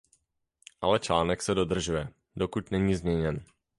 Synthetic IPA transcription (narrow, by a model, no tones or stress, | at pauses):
ʔalɛt͡ʃlaːnɛksɛdo̞d̪r̩ʒujɛ | dokucnɛɲiːzmɲɛɲɛn